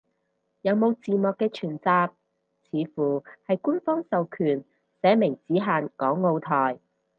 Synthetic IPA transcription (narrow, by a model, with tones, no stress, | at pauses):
jɐ˨˧wmo˨˧wt͡siː˨mɔː˨˧kːɛː˧t͡ʃʰyː˨˩nt͡saː˧p̚ | t͡sʰiː˨˧fuː˨˩hɐ˨jku˥nfɔː˥ŋsɐ˨wkʰyː˨˩n | sɛː˨˥mɪ˨˩ŋt͡siː˨˥ɦaː˨nkɔː˨˥ŋːo˧wt̪ʰɔː˨˩j